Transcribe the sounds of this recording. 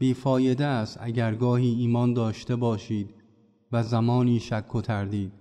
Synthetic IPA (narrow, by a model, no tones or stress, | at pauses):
b̥iːfɒːje̞d̪eæst̪æɟæɾɡɒːhiːiːmɒːnd̪ɒːʃt̪e̞bɒːʃiːd̪ | væzæmɒːniːʃækʰːot̪ʰæɾd̪iːd̪̥